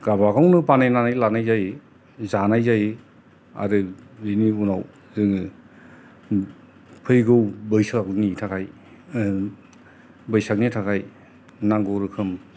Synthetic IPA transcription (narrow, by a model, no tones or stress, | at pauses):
ɡabaɡawnɯpanajnanajlanajzaj | zanajzaj | a̰ɾɯiniunaw | zɯŋ | pʰɯjɡɯwbɯjsaknitʰakʰaj | bɯjsak̚nitʰakʰaj | naŋɡɔɾɯkʰɯm